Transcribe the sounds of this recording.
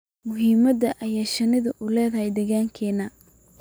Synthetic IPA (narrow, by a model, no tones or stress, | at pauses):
mʊɦiːmɐd̪ɐʔɐjaːʃɐnɪðɐʔʊlɛːðɐɦɛjd̪ɛɣaːŋkʰɛːnɐ